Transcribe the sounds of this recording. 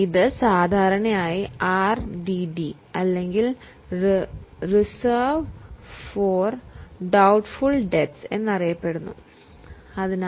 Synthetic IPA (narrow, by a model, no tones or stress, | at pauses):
iðɨsaːd̪ʱaːɾɐɳɐmaːjiaːrɖiɖi | ɐlːe̞ŋɡil | risɐːʋfoːrɖɐwʈfuɭɖe̞tse̞̰nːɐrijɐpːe̞ɽunːu | ɐðin